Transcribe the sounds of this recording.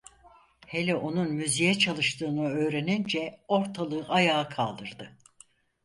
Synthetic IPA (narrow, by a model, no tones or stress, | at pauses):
helʲɛʔo̞nunmyzijɛt͡ʃʰalˠɯʃt̪ʰɯːnɯø̞ːɾenind͡ʒɛo̞ɾt̪ʰalˠɯɯʔajaːkʰalˠd̪ɯɾd̪ɯ